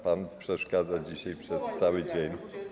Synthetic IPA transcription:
panpʂɛʂkad̪zad͡ʑiɕajpʂɛst̪sawɘd͡ʑeɲʲ

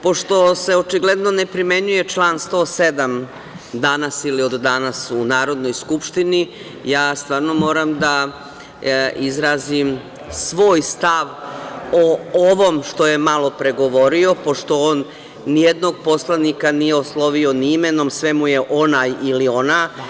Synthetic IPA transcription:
po̞ʂt̪o̞se̞o̞t͡ʃiɡle̞d̪no̞nepɾime̞ɲuje̞t͡ʃlˠaːnst̪o̞ːse̞d̪am | d̪anasilio̞d̪ːanasunaːɾo̞d̪no̞jskupʃt̪ini | jaːst̪ʋaːɾno̞mo̞ːɾamd̪a | izɾaːzim | sʋo̞ːjst̪aʋooʋo̞mʃt̪o̞je̞malˠo̞pɾe̞ɡo̞ʋo̞ɾio̞po̞ʂt̪o̞oːnː | ijed̪no̞ɡ̚po̞slˠanikanijeoslˠo̞ʋio̞niimeno̞msʋemuje̞ʔo̞najilio̞na

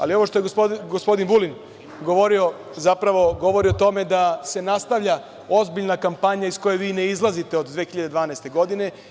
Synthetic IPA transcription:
a̰lio̞ʋo̞ʃt̪o̞jeospoɡospo̞d̪inbulin | ɡo̞ʋo̞ɾio̞ | zapɾaʋo̞ɡo̞ʋo̞ɾiot̪o̞me̞d̪ase̞nast̪aʋʎa | ozbiʎnakampaɲaisko̞jeʋiːneizlˠazit̪e̞o̞d̪d̪ʋeːxiʎad̪ed̪ʋaːnaest̪e̞ɡo̞d̪ine̞

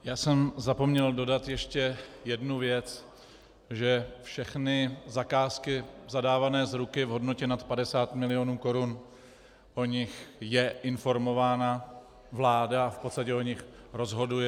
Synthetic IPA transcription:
jaːsɛmzapo̞mɲɛldo̞dat̪jɛʃcɛjɛdnuvjɛt͡s | ʒɛfʃɛxnɪzakaːskɪzadaːvanɛːzɾukɪvɦo̞dno̞cɛnat̪padɛsaːt̪mɪlɪonuːko̞ɾun | ʔo̞ɲɪxjɛʔɪnfo̞ɾmo̞vaːna | vlaːdaafpot̪st̪acɛo̞ɲɪxɾo̞zɦo̞dujɛ

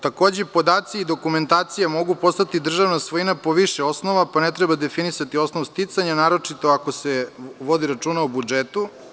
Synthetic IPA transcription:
t̪ako̞ːd͡ʑepo̞d̪aːt̪siːd̪o̞kume̞nt̪aːt̪sijamo̞ɡupo̞st̪at̪id̪r̩ʒaʋnasʋojinapo̞ʋiʃeo̞sno̞ʋapane̞t̪ɾebad̪e̞finisat̪io̞snoʋst̪it̪saɲanaːɾo̞t͡ʃit̪o̞akoseʋo̞d̪iɾat͡ʃuːnaobud͡ʒet̪u

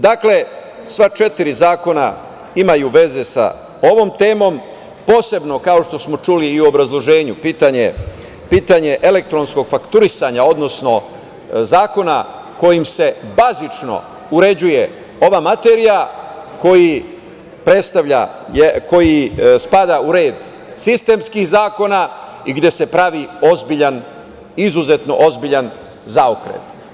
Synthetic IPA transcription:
d̪akle̞ | sʋat͡ʃe̞t̪iɾizaːko̞na̰ | imajuʋe̞ze̞sa̰ | o̞ʋo̞mt̪e̞ːmo̞m | po̞ːse̞bno̞kao̞ʃt̪o̞smo̞t͡ʃuliːuobɾazlˠo̞ʒe̞ːɲupiːt̪aɲe | piːt̪aɲe̞ʔele̞k̚t̪ɾo̞nsko̞ɡ̥fakt̪uɾisaɲao̞d̪no̞sno̞ | zaːko̞na | ko̞jimse̞bazit͡ʃno̞̰ | uɾe̞d͡ʑuje̞ | o̞ʋaːmat̪e̞ɾijako̞ji | pɾe̞t̪st̪aʋʎa̰jeko̞jispad̪auɾe̞ːd̪ | sist̪e̞mskixzaːko̞na | iɡd̪je̞se̞pɾaʋiozbiʎan | izuze̞t̪no̞ʔo̞zbiʎan | zaokɾḛt̪

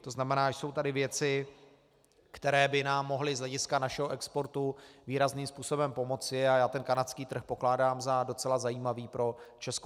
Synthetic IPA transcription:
t̪o̞znamɛnaːʒso̞wt̪adɪvjɛt͡sɪ | kt̪ɛɾɛːbɪnaːmːo̞ɦlɪzɦlɛɟɪskanaʃɛɦoʔɛkspo̞ɾt̪uviːɾazniːmspuːso̞bɛmpo̞mo̞t͡sɪajaːt̪ɛnkanat͡skiːt̪r̩xpo̞klaːdaːmzado̞t͡sɛlazajiːmaviːpɾo̞t͡ʃɛsk

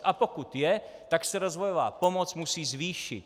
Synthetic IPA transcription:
apɔkut̪jɛt̪aksɛɾɔzʋɔjɔʋa̰ːpɔmɔt͡smusiːzʋiːʃḭc

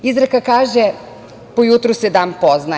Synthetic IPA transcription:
izɾakakaːʒe | pojut̪ɾused̪aːmpo̞zna

